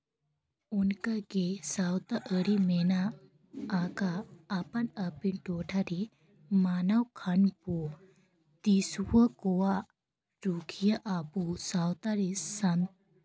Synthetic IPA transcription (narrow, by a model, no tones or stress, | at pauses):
unkaɡesawt̪aʔəɾimenaː | kaːpanapinʈoʈʰaɾi | manawkʰanpu | t̪iswəkɔwa | ɾukʰijaʔapusawt̪aɾisam